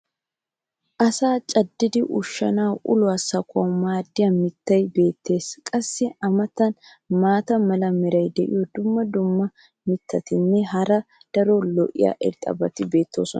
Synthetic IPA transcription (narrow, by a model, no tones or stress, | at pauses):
ʔɐsaːt͡ʃʼɐd̪ːɪd̪ɪʔʊʃːɐ̰nawʔʊ̰lʊwɐsɐkʰɔmaːd̪ːɪjɐmɪt̪ːɐjbe̞ːt̪ːe̞ːskʼɐsːɪɐmɐt̪ːɐn | maːt̪ɐmɐlɐmɪɾɐjd̪ɛʔɪ̰jɔd̪ʊmːɐd̪ʊmːɐ | mɪt̪ʰːɐt̪ɪnːɛɦɐɾɐ | d̪̥ɐɾɔlɔʔɪ̰ja̰ʔɪ̰ɾt̪ʼɐ̰bɐt̪ɪbe̞ːt̪ʰːo̞̰ːsɔ̰nɐ